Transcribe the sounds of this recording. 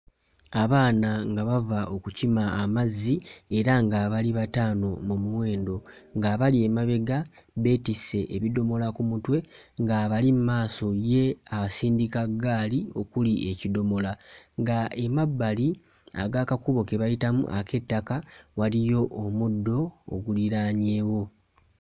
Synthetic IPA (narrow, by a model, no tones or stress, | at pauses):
aβaːnaŋɡaβavaʔo̞kucimaːmazie̞ɾaŋɡaβaliβataːno̞mumuwe̞ːndo̞ŋɡaːβalie̞maβe̞ɡa | be̞ːtise̞ʔeβido̞mo̞lakumutwe̞ŋɡaβalimmaːso̞je̞aβasiːndikaɡːaːlio̞kuliecido̞mo̞laŋɡae̞mabːali | a̰ɡakakuβo̞ke̞βajitamṵʔakʰe̞tːakawalijo̞ʔːmudːo̞̰ːɡuliɾaːɲe̞ːwo̞